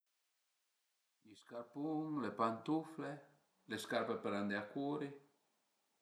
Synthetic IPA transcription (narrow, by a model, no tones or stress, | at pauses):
iskaɾpuŋlepant̪ufle | leskaɾpepeɾand̪eakuːɾi